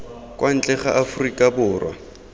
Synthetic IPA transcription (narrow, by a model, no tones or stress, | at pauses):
kʼwʔan̩t͡ɬʼɛχa̰ʔafʊrikʼabʊːrwa̰